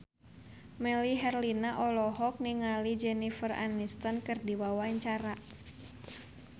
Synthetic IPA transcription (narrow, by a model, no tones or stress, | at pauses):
mɛliɦɛrlinaʔɔlɔɦɔk̚niŋalid͡ʒɛnifəra̰nist̪ɔnkɨrdiwawaɲt͡ʃaɾa